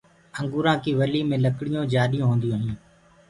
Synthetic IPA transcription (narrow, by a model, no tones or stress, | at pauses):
əŋɡuːɾãːkiːʋəliːmẽːləkɽɪjõːd͡ʒaːɗijõːɦõːnd̪ijõːɦĩː